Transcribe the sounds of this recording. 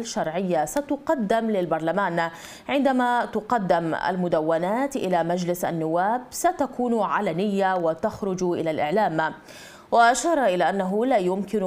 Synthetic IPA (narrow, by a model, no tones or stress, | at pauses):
lʃːɑɾˤʕɪjːasat̪ʊqɑd̪ːɪmlɪlbɑɾˤlamaːn | ʕɪnd̪amat̪ʊqɑd̪ːɪma̰lmʊd̪awːanaːt̪ʔɪ̰lamad͡ʒlɪsʔa̰nːʊwːaːbsat̪akuːnʕalanɪjːawat̪axɾʊd͡ʒʔɪlalʔɪʕlaːm | waʔaʃɑːɾˤɑʔɪlaːʔanːaɦʊlaːjʊmkɪn